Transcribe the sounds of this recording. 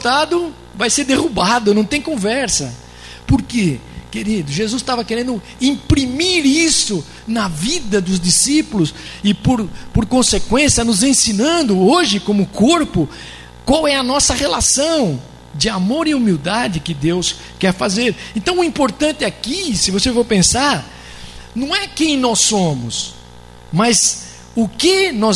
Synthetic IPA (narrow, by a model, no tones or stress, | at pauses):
t̪ad̪ʊ | vajseɾd̪ehubad̪ʊnɐ̃w̃t̪ẽj̃kõvɛɾsɐ | pʊɾke | keɾid̪ʊʒezust̪avɐkeɾẽnd̪ʊ | ĩpɾimiɾisʊ | nɐvid̪ɐd̪ʊzd͡ʒisipʊlʊsɪpoɾpoɾkõsekwẽsiɐnʊzẽsinɐ̃nd̪ʊoʒɪkõmʊkoɾpʊ | kwawɛɐnɔsɐʁelasɐ̃w̃ | d͡ʒɪamoɾɪumiwd̪ad͡ʒɪkɪd̪ews | kɛɾfazeɾẽnt̪ɐ̃w̃ʊĩpoɾt̪ɐ̃nt̪ɪɛakisɪvosefowpẽsaɾ | nɐ̃w̃ɛkẽj̃nɔsːõmʊs | mɐz | ʊkɪnɔ